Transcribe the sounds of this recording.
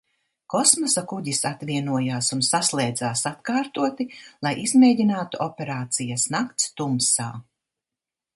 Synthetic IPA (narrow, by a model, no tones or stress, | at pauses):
kɔsmɔsakuɟisat̪vʲiɛnuɔjaːsunsaslˠɛːd̪zaːsat̪kaːɾt̪uɔt̪ilˠajʔizmeːdinaːt̪uʔɔpʲeɾaːt̪sijɐsnakt̪st̪umsa̰ː